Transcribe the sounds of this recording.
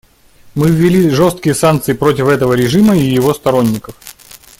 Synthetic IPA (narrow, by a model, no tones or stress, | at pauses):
mɨvʲːɪlʲiʐo̞st̪̚kʲɪjəsankt̪sɨɪpɾo̞tʲɪfɛt̪əvəɾʲɪʐɨməijɪvo̞st̪ɐɾo̞nʲːɪkəf